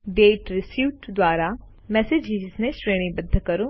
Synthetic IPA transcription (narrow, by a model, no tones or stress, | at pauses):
ɖeːʈɾɪsjuːʈd̪waːɾa | mɛːsed͡ʒiːznẽsɾeːɽĩbəd̪ʱːkɐɾũː